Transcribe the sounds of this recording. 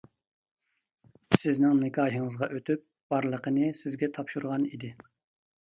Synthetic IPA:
sɪznɪŋnɪkʰɑːɦəŋəzʁɑʔøt̪ʰyp̚ | b̥ɑɾlˠəqənɨsɪzɡʲɛt̪ʰɑpʃuɾʁɑnḭd̪ɪ

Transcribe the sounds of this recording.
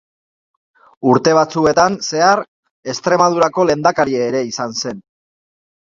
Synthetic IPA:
uɾt̪e̞β̞at͡sue̞t̪anse̞aɾ | e̞st̪ɾe̞mað̞uɾako̞le̞nd̪akaɾieːɾe̞isanse̞n

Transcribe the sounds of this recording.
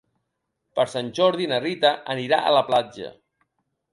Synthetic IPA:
pəɾsanʲʒɔɾðinərit̪əʔəniɾa̰ʔə̰ləplad͡ʒə̰

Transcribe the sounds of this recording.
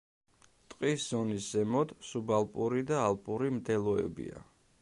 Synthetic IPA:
t̪ʼqʼiszɔniszɛmɔd̪subalˠpʼuɾid̪aːlˠpʼuɾimd̪ɛlˠɔɛ̰bḭa̰

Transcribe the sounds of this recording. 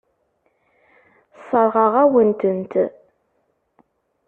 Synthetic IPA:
sɑɾˤʁɑʁawənt̪ənt̪ʰ

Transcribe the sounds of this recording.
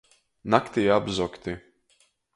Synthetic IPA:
nakt̪ijabzɔkt̪ɪ

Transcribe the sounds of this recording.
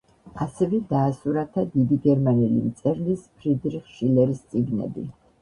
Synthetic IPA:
asɛvɛd̪aːsuɾat̪ʰad̪id̪iɡɛɾmanɛlḭmt̪sʼɛɾlispʰɾid̪ɾiχʃilɛɾist̪sʼiɡnɛ̰bḭ

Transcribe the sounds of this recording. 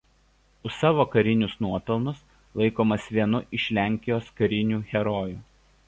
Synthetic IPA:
ʊsɑːʋoːkɐɾʲɪnʲʊsnuɔpʲɛlˠnʊs | lˠɐɪkoːmɐsʋʲiɛnʊʔɪʃʲlʲæˑŋʲkʲɪjoːskɐɾʲɪnʲuːɣʲɛɾɔːjuː

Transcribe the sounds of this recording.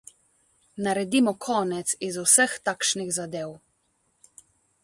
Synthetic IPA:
naɾɛd̪imɔkʰɔːnɛt̪sizusəxt̪aːkʃniɣzad̪eːw

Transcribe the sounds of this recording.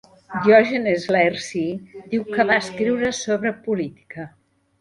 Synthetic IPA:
d̪jɔʒenezlɛrsid̪iwkəβaskɾiwɾəsoβɾəpulit̪i̥kə

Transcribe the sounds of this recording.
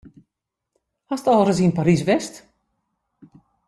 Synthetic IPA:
hastɔlˠrəsinpaɾis̬ʋɛst

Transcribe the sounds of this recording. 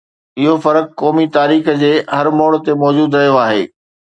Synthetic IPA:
ɪɦofɐɾəkkɔːmit̪aːɾiːxəd͡ʑeːɦɐɾmɔːɽt̪emɔːd͡ʑuːd̪ɾɐɦijoaːɦḛː

